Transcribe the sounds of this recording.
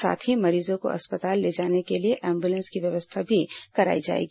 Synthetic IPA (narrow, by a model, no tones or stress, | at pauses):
sa̰ːt̪ʰɦimɐɾiːzõko̰ʔɐ̰spət̪aːlːeːd͡ʒaːnekelieʔɛ̃ːmbulə̃nskiʋjɐʋəst̪ʰabʱikɐɾa̰ːid͡ʒa̰ːḛːɡi